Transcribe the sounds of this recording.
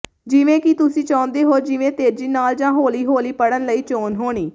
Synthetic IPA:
d͡ʒɪʋẽːkɪt̪ʊsĩːt͡ʃãːʊ̃nd̪eːɦoːd͡ʒɪʋẽːt̪eːɾd͡ʒiːnaːld͡ʒãːɦoːliːɦoːliːpəɽənləiːt͡ʃoːnɦoːɽ̃iː

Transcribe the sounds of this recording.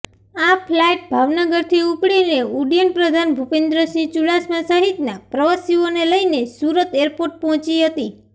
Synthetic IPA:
apʰlajʈ̚bʱaʋnəɡəɾt̪ʰiupɽineuɽjəɳpɾəd̪ʱanbʱupend̪ɾəsit͡ʃuɽasmãsəɦit̪napɾəʋəsioneləinesuɾət̪eɾpoɾʈ̚pɔɦɔ̃t͡ʃiɦət̪i

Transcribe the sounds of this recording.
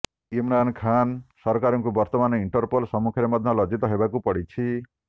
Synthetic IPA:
imɾankʰansɔɾkaɾɔŋkubɔɾt̪ɔmanɔiɳʈɔɾpolsɔmukʰɔɾemɔd̪ʱːɔlɔd͡ʒit̪ɔɦebakupɔɽit͡ʃʰi

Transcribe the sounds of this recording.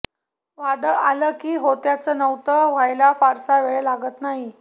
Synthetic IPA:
ʋad̪əɭa̰ləːkiːɦot̪jat͡sənəwt̪əʋ̤ʱajlafaɾsaʋeɭelaɡət̪naɦi

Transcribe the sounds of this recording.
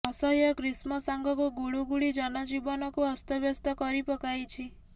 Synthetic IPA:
ɔsɔɦjɔkɾismɔsaŋɡɔkuɡuɭuɡuɭid͡ʒɔnɔd͡ʒibɔnɔkuɔst̪ɔbjɔst̪ɔkɔɾipɔkajt͡ʃʰi

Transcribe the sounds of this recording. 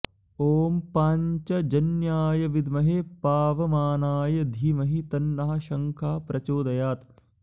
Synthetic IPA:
oːmpaːɲt͡ʃɐd͡ʒɐnjaːjɐʋid̪mɐɦepaːʋɐmaːnaːjɐd̪ʱiːmɐɦit̪ɐnːɐɦɐ̆ʃɐŋkʰaːpɾɐt͡ʃoːd̪ɐjaːt̪

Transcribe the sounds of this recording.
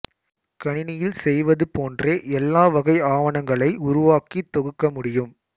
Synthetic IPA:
kɐɳɪnɪjɪlsɛjʋɐðɯpoːndreːʔɛlːaːʋɐɣɐɪaːʋɐnɐŋɡɐɭɐɪʊɾʊʋaːkit̪ːɔɣɯkːɐmʊɽɪjɯm

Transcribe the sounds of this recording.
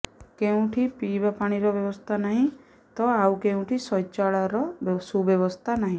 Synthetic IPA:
keũʈʰipibapaɽ̃iɾɔbjɔbɔst̪ʰanaɦĩ | t̪ɔawkeũʈʰisɔjt͡ʃaɭaɾɔsubjɔβɔst̪ʰanaɦĩ

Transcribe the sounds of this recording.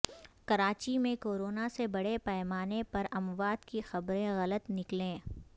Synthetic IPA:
kɐɾaːt͡ʃimẽkoːɾoːnasebɐɽepɛːmaːnepɐɾɐmʋaːd̪kixɐbɾẽɣɐlət̪nɪklẽː

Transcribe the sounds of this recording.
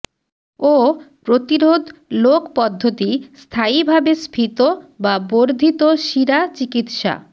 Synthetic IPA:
opɾot̪iɾod̪ʱlokpɔd̪ʱːot̪ist̪ʰaibʱabespʰit̪obaboɾd̪ʱit̪oʃiɾat͡ɕikit̪ʃa̰

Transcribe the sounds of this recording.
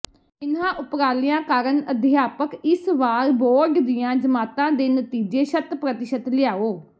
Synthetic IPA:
ɪnãːʔʊpɾaːlɪjãːkaːɾənəd̪ʱɪjaːpəkɪsʋaːɾboːɖd̪ɪjãːd͡ʒəmaːt̪ãːd̪eːnət̪iːd͡ʒeːʃət̪pɾət̪ɪʃət̪lɪjaːoː

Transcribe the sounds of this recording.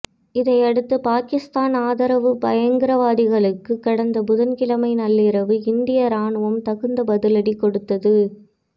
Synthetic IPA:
ɪðɐɪɐɽɯt̪ːɯpaːkɪst̪aːnaːðɐɾɐʋɯbɐjɐŋɡɪɾɐʋaːðɪɣɐɭɯkːɯkːɐɽɐnd̪ɐbʊðɐnkɪlɐmɐɪnɐlːɪɾɐʋɯɪnd̪ɪjɐɾaːɳɯʋɐmt̪ɐɣɯnd̪ɐbɐðɪlɐɽikɔɽɯt̪ːɐðɯ

